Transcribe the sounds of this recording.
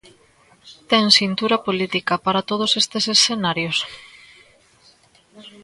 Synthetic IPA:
t̪ɛŋsint̪uɾɐpolit̪ikɐpaɾat̪oð̞osest̪esesθenaɾjos

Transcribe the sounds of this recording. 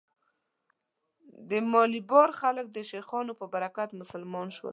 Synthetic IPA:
d̪əmɑlibɑɾxalək̚d̪əʃexɑnopəbaɾakat̪mʊsəlmɑnʃwə̰l

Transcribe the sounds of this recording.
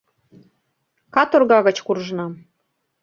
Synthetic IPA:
kɑt̪orɣɑɣə̆t͡ɕkurʒnɑ

